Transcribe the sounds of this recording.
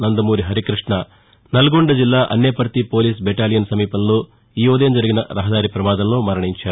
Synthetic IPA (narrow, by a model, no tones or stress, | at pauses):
nɐnd̪ɐmuːɾiɦɐɾikɾiʂɳɐ | nɐlɡoɳɖɐd͡ʒilːaːʔɐ̰nːepɐɾt̪ipoːliːs̬beʈaːlijɐnsɐmiːpɐnːu | iːoːd̪eːnd͡ʒɐɾɐɡinɐ̰ɾɐɦɐd̪aːɾipɾɐmaːd̪ɐnːumɐɾɐɳiɲt͡ʃɐaːu